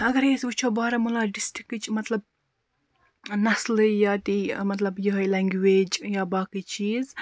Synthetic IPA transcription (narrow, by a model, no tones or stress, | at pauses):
ɐɡɐɾeːsbut͡ʃʰoːbaːɾɐmulaːɖɪsʈikːɨt͡ʃʰmɐt̪lɐb̚ | nɐslɨjaːt̪imɐt̪lɐbjuɦɐjlɛŋɡʋeːd͡ʒjaːbaːkit͡ʃiːz